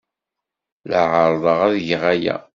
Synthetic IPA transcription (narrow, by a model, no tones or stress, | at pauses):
ləʕəɾˤðˤəʁæðʝʁæjæ̰